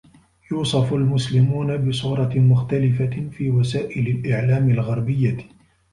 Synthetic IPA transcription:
juːsˤɑfalmʊslɪmuːnabɪsˤʊːɾˤɑmʊxt̪alɪfafiːwasaːʔɪlalʔɪʕlaːmɪlɣɑɾˤbɪjːa

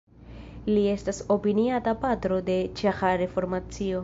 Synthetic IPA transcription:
lie̞staso̞piniatapatɾo̞de̞t͡ʃaxaɾe̞fo̞ɾmat͡sio̞

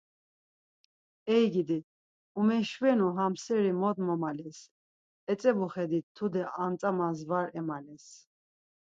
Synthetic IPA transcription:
ɛjɡid̪i | umɛʃvɛnuɦamsɛɾimɔd̪mɔmalɛs | ɛt͡sʼɛbuχɛd̪it̪ʰːud̪ɛʔamt͡sʼamanzvaɾɛmalɛs

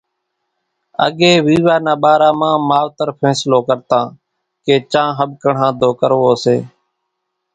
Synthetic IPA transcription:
ə̰ɠeːʋiːʋaːnãːɓaːɾaːmãːmaːʋt̪əɾpʰɛ̃ːsloːkəɾt̪ãː | keːt͡ʃãːɦəɓ̚kəɳ̤ãːd̪ʱoːkəɾʋoːseː

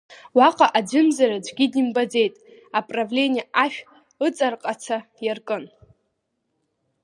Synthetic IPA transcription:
waqʼaʔad͡ʒʷʊmzarad͡ʒʷɡʲidimbad͡ze̞jtʼ | apʼravlʲeniaʔaʃᶣ | ɨt͡sʼarqʼat͡sʰa | jarkʼɨn

